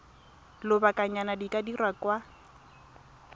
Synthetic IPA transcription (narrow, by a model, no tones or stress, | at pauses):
lʊbakʼaɲanadikʼadirwakwa